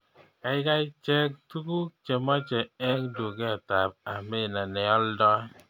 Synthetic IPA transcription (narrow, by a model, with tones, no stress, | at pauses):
a˦ɪ˦ka˦i˦t͡ʃɛ˦k̚t̪u˦ku˦k̚t͡ʃe˨mɔ˦t͡ʃɛ˨ɛ˦ŋdu˨ɡe˦a˨ta˨p̚a˨mɪ˦˨na˨nɪ˨ɔ˦ldɔ˦